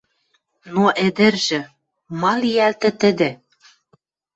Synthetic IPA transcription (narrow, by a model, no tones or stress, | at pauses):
noʔĕd̪ɘ̆rʒɘ̆ | mɑlijælt̪ɘ̆t̪ɘ̆d̪ĕ